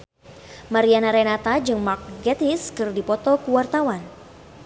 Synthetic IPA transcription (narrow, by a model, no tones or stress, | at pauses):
maɾianaɾenat̪ad͡ʒɨŋmak̚ɡɛt̪iskɨrdipɔt̪ɔkuwart̪awan